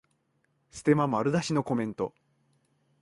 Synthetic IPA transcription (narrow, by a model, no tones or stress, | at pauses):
sɨ̥t̪e̞mamaɾɯ̟d̪aɕino̞ko̞mẽ̞nt̪o̞